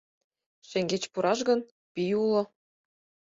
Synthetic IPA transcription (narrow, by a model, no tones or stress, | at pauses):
ʃĕŋɡet͡ɕpuɾʔɑʃɡɤ̆n | pijulˠɤ̆